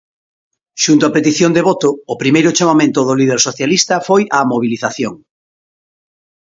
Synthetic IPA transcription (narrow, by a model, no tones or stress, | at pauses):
ʃunt̪oapet̪iθjond̪eβ̞ot̪ʊːpɾimejɾʊt͡ʃamamẽnt̪ʊðolið̞eɾsoθjalist̪ɐfojɐmoβ̞iliθaθjoŋ